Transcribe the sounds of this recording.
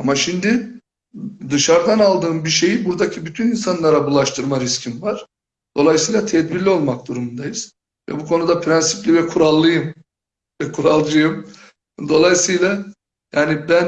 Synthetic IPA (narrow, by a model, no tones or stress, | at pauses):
amaʃind̪ɪ | d̪ɯʃaɾd̪analˠd̪ɯːmbiʃe̞jibuɾd̪acʰibyt̪ʰyninsanlˠaɾabulˠaʃt̪ʰɯɾmaɾiscʰimvaɾ̥ | d̪̥o̞lˠajsɯjlʲˠat̪ʰɛd̪biɾlʲio̞lˠmak̚d̪uɾumund̪ajɯz̥ | vɛ̰bukʰo̞nud̪apʰɾɛnsiplʲivɛkʰuɾalˠːɯjɯm | vɛkʰuɾalˠd͡ʒɯjɯm | d̪o̞lˠajsɯjlʲˠa | jaːnibæn